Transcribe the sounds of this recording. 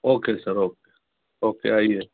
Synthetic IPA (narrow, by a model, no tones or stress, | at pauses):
oːkesɐɾoːkeː | oːkḛaːiɦɛ